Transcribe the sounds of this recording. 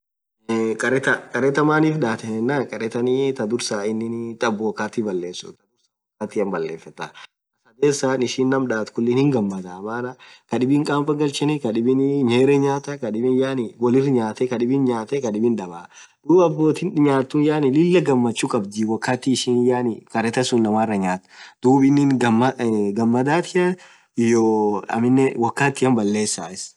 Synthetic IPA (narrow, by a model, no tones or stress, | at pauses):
kʼɐɾɛt̪ɐkʼɐɾɛt̪ɐmaːniːfᶑaːt̪ɛnɪnːakʼɐɾɛt̪ɐniːt̪ɐd̪ʊɾsaːɪnːɪnt̪ʼɐbːoːkaːt̪ibɐlːeːsʊ̰t̪ɐd̪ʊɾsaː | aːt̪iːɐmbɐlːeːfːɐt̪ɐ | ɐɐd̪eːsːaːnɪʃiːnːɐmᶑaːt̪kʊlːɪnhɪŋɡɐmːɐd̪aːmaːnɐkɐᶑɪbɪŋkʼaːmpɐɡɐlt͡ʃɛnɪkɐᶑɪbɪnɲeːɾɛɲaːt̪ɐkɐᶑɪbɪnjaːnɪwɐlɪrɲaːt̪ɛkɐᶑɪbɪnɲaːt̪ɛkɐᶑɪbɪnᶑɐbaː | d̪̥uːbɐbːo̞ːt̪inɲaːt̪ːʊnjaːnɪlɪlːɐɡɐmːɐt͡ʃːukʼɐbd͡ʒiwɐkːaːt̪ːiːʃiːnjaːnɪkɐɾɛt̪ɐsunːɐmaːrːɐɲaːt̪d̪̥uːbɪnːɪnɐmːɡɐmːɐd̪aːt̪ɪɐ | joɐ̰mɪnːɛwɐkːaːt̪ːɪjɐmbɐlːe̞ːsːaːɪs